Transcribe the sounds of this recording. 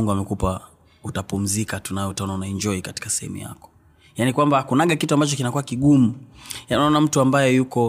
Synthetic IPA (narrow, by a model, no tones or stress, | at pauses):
uŋɡuamɛkupa | utapum̩zikatunajɛutaɔnaunaiɲd͡ʒɔikati̥kasɛhɛ̰mṵja̰kɔ̥ | janikwambakunaɠakituambat͡ʃɔkinakuwakiɠumujaninaɔnam̩tuambajɛjukɔ